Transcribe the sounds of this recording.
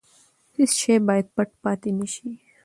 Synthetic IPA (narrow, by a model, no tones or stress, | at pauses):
t̪ɪsʃʰeːbaːjd̪̚pɐʈ̚paːt̪inɪʃi